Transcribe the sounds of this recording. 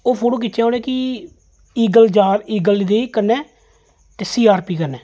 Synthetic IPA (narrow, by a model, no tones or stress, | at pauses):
oːpʰoːʈoːk̬ɪt͡ʃʃɛːoːɽɛːkɪ | iːɡəld͡ʒaːɾiːɡəlid̪eːikənɛː | t̪eːsiːaːɾpiːkəɾnɛː